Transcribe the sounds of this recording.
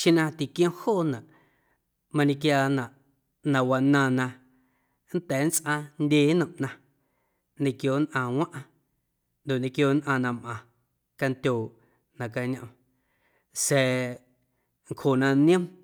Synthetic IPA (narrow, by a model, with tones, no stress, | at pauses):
ʃĩ˦nã˧t̪i˨kj̃õ˦hoː˦˨nã˨ʔ | mã˧nẽ˧kjaː˧nã˨ʔ | nã˨wa˧nã˧nã˧ | n̩˦t̪ɛː˨˦n˦t͡sʔã˧ndʲeː˧˦nə̃˨ʔnã˧ | nẽ˧˨kjoː˧˨˦nʔã˧˨wã˦ʔã˧ | nd̪o˨ʔnẽ˧kjoː˧nʔã˧nã˧mʔã˨ | ka˧nt̪ʲoː˨ | nã˨ka˧ɲã˧ | sɛː˨˧˨ | ŋkho˨nã˧nĩ˦ə̃˦m